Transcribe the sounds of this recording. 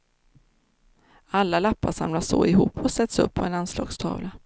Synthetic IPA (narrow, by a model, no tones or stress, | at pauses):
alːalapːa̰ʂamlaso̰ːɪɦuːpʰːɔsɛt̪sɵ̰pːʰɔɛnanslɑ̰ːɡst̪ʰɑ̰ːvla